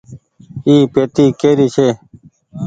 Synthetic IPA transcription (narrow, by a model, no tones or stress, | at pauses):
iːpeːt̪iːkeːɾiːt͡ʃʰeː